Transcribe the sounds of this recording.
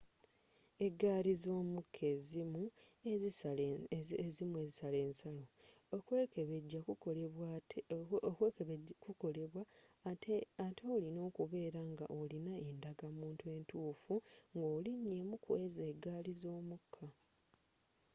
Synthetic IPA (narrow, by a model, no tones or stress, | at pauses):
e̞ɡːaːlizo̞ːmukʰːe̞ːzimuezi | ezimue̞zisale̞ːnsalokekeβeɟːakueβw | kwekeβekuko̞leβwa | ateolino̞ːkuβe̞ːɾaŋɡa̰ʔo̞linae̞ndaɡamuːntue̞ːntuːfuŋɡo̞ːliɲːe̞mukwezeːɡːaːlizo̞ːmukʰːa